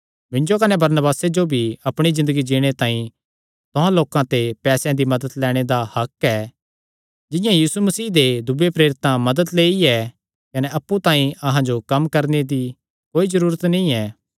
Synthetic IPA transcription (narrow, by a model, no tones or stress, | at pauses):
mɪ̃nd͡ʒokɐnɛbɐɾnəbaːsed͡ʒobʱiɐpɽ̃izɪ̃nd̪əɡid͡ʒiːɽ̃et̪ãːĩ | t̪ʊɦãloːkãt̪epɛːsɛ̃d̪imɐd̪əd̪lɛːɽ̃ed̪ahɐkɛː | d͡ʒɪ̃jãjiːsumɐsiːd̪ed̪ʊbepɾeːɾɪt̪ãmɐd̪əd̪leːiɛ | kɐneɐpːut̪ãːĩɐɦãd͡ʒokɐmkɐɾned̪i | koːizɐɾuːɾət̪nĩɛː